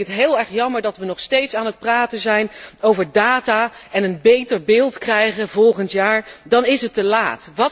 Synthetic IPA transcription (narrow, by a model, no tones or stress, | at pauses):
ətɦɪːlˠɛɹχjɑməɹdɑtʋənɔχstejtsaːnət̚praːtənzɛjnowvəɹdaːtaːɛnənbejtəɹbɪːlˠtkrɛjχəvɔlˠχəntjaːɹdɑnɪsətəlaːtʋɑ